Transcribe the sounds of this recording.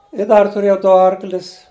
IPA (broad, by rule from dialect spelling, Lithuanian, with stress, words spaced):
ɪ ˈdɐr tʊˈrʲeːjɛʊ ˈdʊ ˈɐrklʲɪs